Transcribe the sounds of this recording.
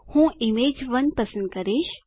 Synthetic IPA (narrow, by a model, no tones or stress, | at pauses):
hũːimeːd͡ʒʋɐnpɐsə̃nd̪̚kɐɾeːʃ